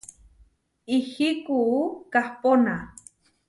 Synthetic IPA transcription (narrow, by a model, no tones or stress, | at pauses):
ihikukahpona